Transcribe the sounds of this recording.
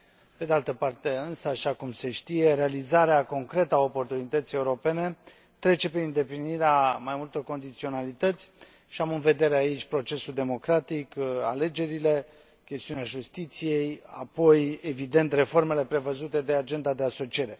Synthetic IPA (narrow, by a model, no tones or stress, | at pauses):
pe̞d̪ealt̪əpart̪e̞ɨnsəaʃakumse̞ʃt̪ije̞ɾe̞alizaɾeako̞ŋkɾe̞t̪əao̞po̞rt̪unit̪ət̪sije̞uɾo̞pe̞ne̞ | t̪ɾe̞t͡ʃe̞peɨnd̪e̞pliniɾeamajmult̪o̞rko̞nd̪it̪sio̞nalit̪ət̪sʲ | ʃiamɨnve̞d̪e̞ɾeait͡ʃʲpɾo̞t͡ʃe̞suld̪e̞mo̞kɾat̪ika̰le̞d͡ʒe̞ɾile̞ | kʲe̞st̪iuneaʒust̪it̪sije̞ja̰po̞je̞vid̪e̞nt̪re̞fo̞rme̞le̞pɾe̞vəzut̪e̞d̪e̞ad͡ʒe̞nd̪ad̪e̞aso̞t͡ʃie̞ɾe̞